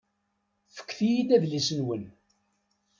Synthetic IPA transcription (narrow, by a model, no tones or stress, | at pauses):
θə̥kʷːθijid̪æðlisənwən